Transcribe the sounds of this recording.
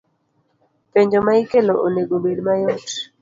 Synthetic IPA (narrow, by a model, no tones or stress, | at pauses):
peɲd͡ʒomaikeloʔoneɡobedmajɔt